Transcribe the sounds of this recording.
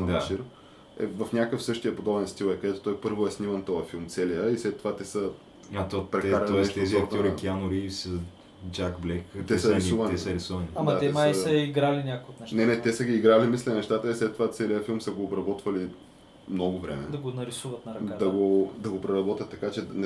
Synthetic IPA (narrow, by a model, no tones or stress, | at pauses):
d̪aʃiɾ | ɛ̰vɐfnʲakəfsɤʃt̪ijəpod̪ɔbɛnst̪ilˠɛkɐd̪ɛt̪o̥t̪ɔjpɤɾvoɛsnimənt̪ɔjɐfilˠmt̪sɛlijəislɛt̪ːovat̪ɛsə | t̪opɾɛaɾɐɛʃt̪ɛzɔɾt̪ɾɛkianoɾisə | d͡ʒaɡblɛkt̪ɛsəɾisuvɐnɛsəɾisuvɐniadmɐat̪ɛɛmasɐiɡɾalinʲakʊjot̪nɛʃnɛnɛt̪ɛsəɡʲiːɡɾalimislʲɛnɛʃt̪at̪əislɛt̪ːovat̪sɛlijəfilˠmsəɡoːbɾɐbɔt̪vɐli | mnɔɡovɾɛ̰mɛ̰d̪ɐɡonɐɾisuvɐt̪nɐɾɐkd̪ɐɡod̪ɐɡopɾɛɾɐbɔt̪ʲət̪ːɐkat͡ʃɛnɛ